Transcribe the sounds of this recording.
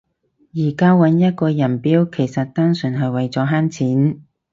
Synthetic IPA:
jiː˨˩kaː˥wɐ˨˥njɐ˥t̚kɔː˧jɐ˨˩npiː˥wkʰe˨˩jsɐ˨t̚t̪aː˥nsɵ˨˩nɦɐ˨jwɐ˨jt͡sɔː˨˥ɦaː˥nt͡sʰiː˨˥n

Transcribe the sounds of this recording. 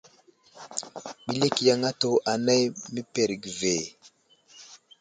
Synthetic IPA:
ɓi˦le˦kja˨ŋa˦to˨ʔa˨na˦jmi˦pe˨ɾi˨ɡve˨

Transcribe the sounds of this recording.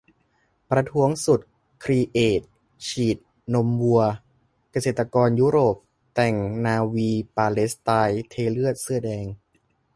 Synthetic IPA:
pɾa˧t̪ʰu˦˥əŋsu˨˩t̪̚ | kʰɾiː˧ʔeː˨˩t̪̚ | t͡ɕʰiː˨˩t̪̚ | no˧˥mbu˧ɐ | ka˧seː˨˩t̪ːa˧kɔː˧njuː˦˥ɾoː˨˩p̚ | t̪ɛ˨˩ŋnaː˧wiː˧paː˧le˦˥st̪aː˧jt̪ʰeː˧lɯ˥˩ət̪̚sɯ˥˩ɐdɛː˧ŋ

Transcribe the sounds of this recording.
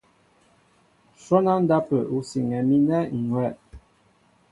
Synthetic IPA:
sɔ˦na˦n̩˦da˦pə˨u˨si˨ŋɛ˨mi˦nɛ˦ŋ˨ŋwɛ˦˨

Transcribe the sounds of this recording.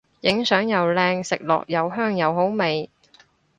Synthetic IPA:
jɪ˨˥ŋsœː˨˥ŋjɐ˨wlɛː˧ŋsɪ˨k̚lɔ̰ː˨k̚jɐ˨˧wɦœː˥ŋjɐ˨˧wɦo˨˥wme˨˩j

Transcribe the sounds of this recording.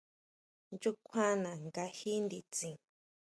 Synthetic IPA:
nd͡ʒu˦kʷʰã˦nã˨ŋɡa˧hi˦nd̪i˧˨t͡sĩ˨

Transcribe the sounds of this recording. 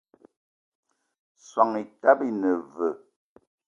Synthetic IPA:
swa˨ŋi˨ta˦bi˦nə˨və˨

